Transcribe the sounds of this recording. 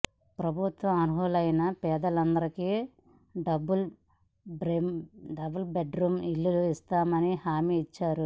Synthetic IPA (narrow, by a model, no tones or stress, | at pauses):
pɾɐbʱut̪ʋɐmɐnuɦulɐjnɐpɛːd̪ɐlɐnd̪ɐɾiki | ɖɐbul | bɾeɖɐbɐlbeɖɾuːmilːuluist̪aːmɐnihaːmiːt͡ʃːaːɾu